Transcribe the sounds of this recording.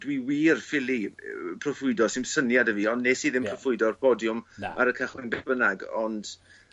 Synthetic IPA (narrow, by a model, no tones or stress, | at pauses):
dwiːwiːrfɪlˠipʰrɔfʊɨdɔsɪnsənjadəviːɔndnesiːðɪmpʰrɔfʊɨdɔrpʰɔdjʊma̰ɾəkʰaχɪnbɛb̥ənaɡɔnd̥